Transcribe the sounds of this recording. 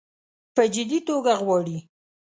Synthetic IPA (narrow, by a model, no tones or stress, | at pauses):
pəd͡ʒɪd̪it̪oɡaɣwɑɽi